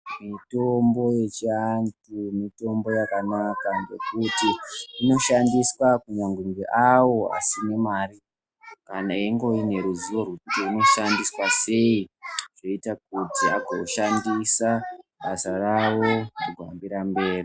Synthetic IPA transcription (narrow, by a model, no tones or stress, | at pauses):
mito̞mbo̞je̞t͡ʃiantumito̞mbo̞jakanakandekutiːno̞ʃandiswakuɲaŋɡumbeʔawo̞a̰sine̞maːri | kanaeŋɡo̞ine̞ɾuziworutiino̞ʃandiswase̞iʐo̞itak̚utiaɡoʃandisaɓasarawo̞ruɡʱwa̰mbiɾambe̞ːri